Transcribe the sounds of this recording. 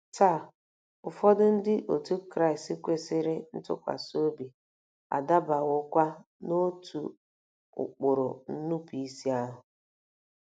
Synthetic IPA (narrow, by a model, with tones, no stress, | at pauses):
ta˦˨ | ʊ˨fɔ˦dʊ˦n̩˦dɪ˦ʔo˨tu˦kɾa˦˨ɪ˨stɪ˦kʷe˦sɪ˦ɾɪ˦n̩˦tʊ̰˦kʷa̰˨so˦bi˨ | a̰˨da˦ba˨ɣʊ˦kʷa˦ | no˦tʰṵ˨ | ʊ̰˨k͡pʊ˨ɾʊ̰˨n̩˦nu˦pi˨i˦si˦a˦ɦʊ˨